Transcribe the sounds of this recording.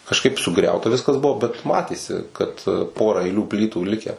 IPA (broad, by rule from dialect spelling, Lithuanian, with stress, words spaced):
kɐʃˈkɐɪp sʊˈɡrʲɛʊtɐ ˈʋʲɪskɐs ˈbʊʋoː bʲɛt ˈmɑːtʲeːsʲɪ kɐt ˈpoːrɐ ɐɪˈlʲuː ˈpʲlʲiːtuː ˈlʲɪkʲæː